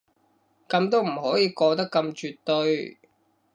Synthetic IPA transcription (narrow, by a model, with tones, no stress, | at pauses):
kɐ˧mt̪o˥wm̩˨˩hɔː˨˥jiː˨˧kɔː˧t̪ɐ˥kːɐ˧mt͡ʃyː˨t̪ːɵ˧ɥ